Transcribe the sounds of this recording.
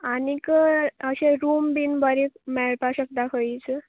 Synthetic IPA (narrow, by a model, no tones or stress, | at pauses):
anikəəɕeɾumbinbəɾekmɛɭpaɕək̚d̪akʰəit͡sə